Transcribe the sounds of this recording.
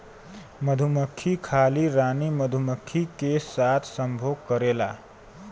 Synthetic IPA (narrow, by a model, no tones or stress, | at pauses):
məd̪ʱuməkʰːikʰaːliɾaːniməd̪ʱuməkʰːikesaːt̪ʰsəmbʱoːɡ̚kəɾeːla̰